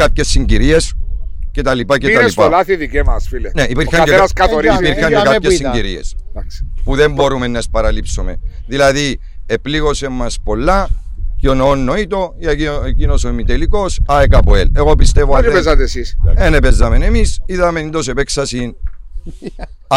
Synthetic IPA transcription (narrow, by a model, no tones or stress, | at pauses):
apçe̞sːiɲɟiɾie̞sce̞t̪ɐlipɐcet̪ɐlispalaθiðikemɐsfileneipiɾçɐɲeenɐskɐt̪oɾiipiɾçɐɲekaçesːiɲɟiɾie̞̰s | puðe̞mbo̞ɾume̞nːɐespɐɾɐlipsome̞̰ðilɐði | epliɣo̞semːɐspo̞lːɐceonoonːoit̪o̞ieecino̞somit̪eliko̞sɐekɐpoele̞ɣo̞p̬ist̪evoaezɐt̪esisenepezːɐme̞ne̞misiðɐmenind̪o̞s̬epeksɐsin